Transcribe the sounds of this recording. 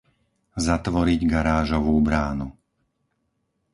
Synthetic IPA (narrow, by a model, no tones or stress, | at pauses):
zat̪ʋɔɾiɟɡaɾaːʒɔʋuːbɾaːnu